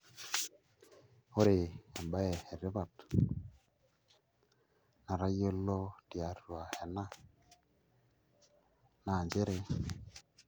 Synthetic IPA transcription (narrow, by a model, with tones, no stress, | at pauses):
ho˦ɾe˨a˨mba˦ɛ˨ɛ˨ɾɪ˦βa˨t | na˨ɾa˦jo˦lo˦ti˨a˨˦ɾu˨a˨ɛ˨na˦ | na˨nd͡ʒe˦ɾe˦